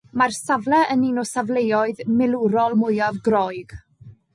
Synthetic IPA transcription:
marsavlˠɛʔəninɔsavlˠejɔɨðmɪlˠuɾɔlˠmʊjavɡrɔjɡ̥

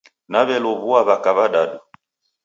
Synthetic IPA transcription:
naβɛlɔβuaβakaβaɗaɗu

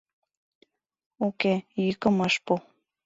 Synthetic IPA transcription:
okejykə̆mɑʃpu

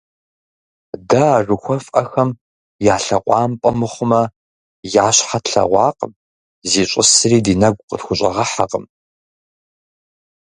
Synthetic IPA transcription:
dɐːʒʷʊxʷɔfʼɐxɐm | jaːɬɐqʷʼɑːmpʼɐmɨχʷʊmɐ | jaːɕħatɬɐ̰ʁʷɑːqʼəm | ziːɕʷʼɪsɨriːdiːnɐɡ̚ʷʼqətxʷʊɕʼɐ̰ʁɐħaqəm

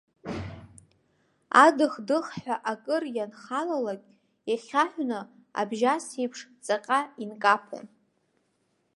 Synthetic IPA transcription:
adɨχdɨχħʷᶣaʔakʼɨrjanχalalakʲʼ | jaχʲaħʷnɨ | a̰bʒasijpʰʂt͡sʼaqʲʼainkʼapʰo̰n

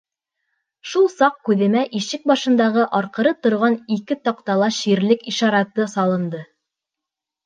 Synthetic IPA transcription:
ʃulˠsɑq̚kʉðɘ̆mæʔiʃɘk̚bɑʃɤ̆nd̪ɑʁɤʔɑɾqɤ̆ɾɤt̪ŏɾʁɑnikɘt̪ɑqt̪ɑlˠɑʃiɾlɘkiʃɑɾɑt̪ːɤsɑlˠɤ̆nd̪ɤ

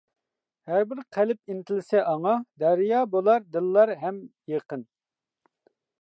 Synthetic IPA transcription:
hæɾbɪɾqʰælɪp̚int̪ʰɪlɪsɛʔɑŋɑd̪æɾjɑːbolˠɑɾd̪ɨlˠːɑɾɦɛmjeqən

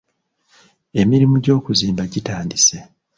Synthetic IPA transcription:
e̞miɾimuɟo̞ːkuziːmbaɟitaːndise̞

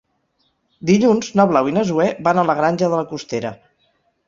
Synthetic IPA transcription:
d̪iʎunznəβlawinəzuɛβanələɣɾanʲʒəðələkust̪eɾə̰

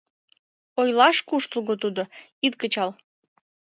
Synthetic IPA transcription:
ojlɑʃkuʃt̪lˠɣot̪ud̪o | it̪kət͡ɕɑl

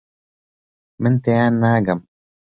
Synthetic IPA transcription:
mɪnt̪ejaːnːaːɡam

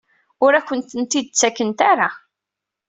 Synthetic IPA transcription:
ʊɾæçʷənt̪ənt̪id̪ət͡sːækːənt̪aɾa

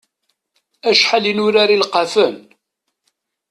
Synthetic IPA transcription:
æʃħalinʊɾaɾilqafən

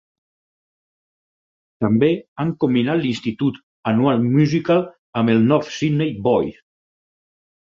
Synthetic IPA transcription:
t̪əmbeaŋkumbinat̪linst̪it̪ut̪ | ənualˠmyzikal | əmelˠnɔfsid̪nejbɔj

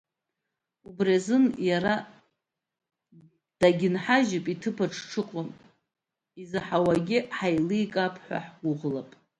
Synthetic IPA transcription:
ubrazɨnjaɾa | d̥aɡʲɪnħaʒɪpʼitʰɨpʰaʈ͡ʂʰʈ͡ʂʰɨqʼom | izɨħawaɡʲɪħajlɨikʼapʰħʷa̰ħɡʷʊʁlapʼ

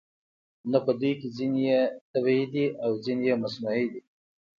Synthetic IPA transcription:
napəd̪ujkizinijet̪abhid̪iʔawzinijemasnaid̪i

